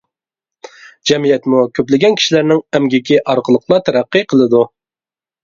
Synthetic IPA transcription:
d͡ʒɛmijɛt̪mukʲʰøplɪɡʲɛnkʲʰi̥ʃilæɾnɪŋɛmɡʲɪkʲiʔɑɾqʰəlˠəqʰlˠɑt̪ʰæɾæqːɨqʰəlˠɨd̪u

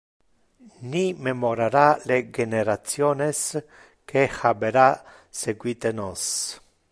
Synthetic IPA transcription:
nimemoɾaɾaleɡeneɾat̪t͡sjones | kʰexabeɾa | seɡwit̪enos

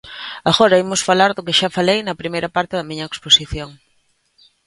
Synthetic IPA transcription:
aɣɔɾɐimʊsfalaɾðʊkɪʃafalejnɐpɾimejɾɐpaɾt̪ɪðɐmiɲɐeksposiθjoŋ

